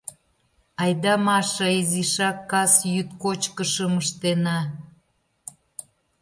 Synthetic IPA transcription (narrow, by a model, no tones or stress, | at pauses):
ɑjd̪ɑmɑʃɑiziʃɑkːɑsjyt̪kot͡ɕkəʃəməʃt̪enɑ